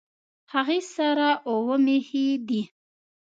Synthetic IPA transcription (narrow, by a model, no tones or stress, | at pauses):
haɣesaɾaʔowəmehid̪i